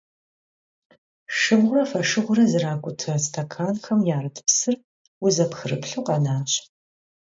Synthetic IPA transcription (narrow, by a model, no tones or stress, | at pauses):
ʂɨbʁʷʊrɐfɐʂɨʁʷʊɾɐzɨraːkʷʼʊtʰɐstʰɐkʰaːnxɐmjaːrɐtʰɨ̥psɨr | wʊzɐpxɨrɨpɬuːqɑnaːɕʼ